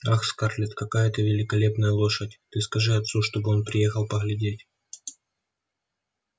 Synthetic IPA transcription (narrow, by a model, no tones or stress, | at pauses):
axskarlʲɪt̪kɐkajət̪ɨvʲɪlʲɪkɐlʲe̞pnəjəlˠo̞ʂətʲt̪ɨskɐʐɨɐt̪suʂt̪o̞bɨo̞npɾʲɪjexəlˠpəɣlʲɪdʲetʲ